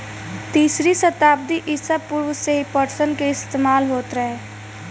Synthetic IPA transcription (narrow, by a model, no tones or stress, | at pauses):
t̪iːsɾisət̪aːb̚d̪iʔɪsəb̚pʊɾwəseɦipəɾsənkeɪst̪eːmaːlɦoːt̪ɾɐɦeː